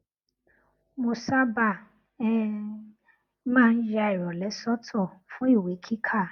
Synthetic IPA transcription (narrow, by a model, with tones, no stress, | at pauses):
mo˧sa˦ba˨ | ɛ˦ | mãː˦˧n̩˦d͡ʒa˧i˨ɾɔ˨lɛ˨˦sɔ˦tʰɔ˦˨fũ˦i˦˨we˨˦kʰi˦kʰa˦˨